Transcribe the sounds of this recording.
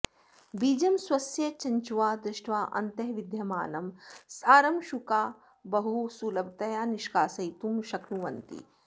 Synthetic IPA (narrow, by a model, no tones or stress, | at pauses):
biːd͡ʒɐmswɐsjɐt͡ʃɐɲt͡ʃuʋaːd̪ɾiʃʈʋaːʔɐ̰nt̪ɐɦʋid̪ʱjɐma̰ːnɐmsaːɾɐmʃukaː | bɐɦusuːlɐb̚t̪ɐjaːniʃkaːsɐjt̪umʃɐknuʋɐnt̪ḭ